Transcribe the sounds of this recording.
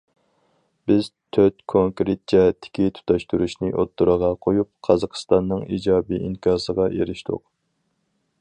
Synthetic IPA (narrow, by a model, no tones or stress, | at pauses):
b̥ɪz̥t̪ʰøt̪kʰoŋkɾet̪̚d͡ʒɛɦɛt̪ʰːɪ̥kʲit̪ʰu̥t̪ʰɑʃt̪ʰuɾuʃnɪʔot̪ːuɾəʁɑqʰojup̚qʰɑzɑqʰə̥st̪ɑnːɨŋid͡ʒɑːbiʔiŋkʰʲɑːsəʁɑjḛɾɪʃt̪ʰʊ̰q̚